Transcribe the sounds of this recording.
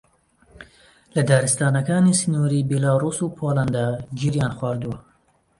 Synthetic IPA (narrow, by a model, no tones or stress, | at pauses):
lɐd̪aːɾɨst̪aːnɐkaːniːsɨnuːɾiːbelaːruːsuːpʰoːland̪aːd͡ʒiɾjaːnxwaːɾd̪uwɐ